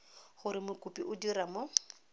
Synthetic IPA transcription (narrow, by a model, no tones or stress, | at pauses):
χʊɾɪmʊkʼʊpʼiʔʊdiramʊ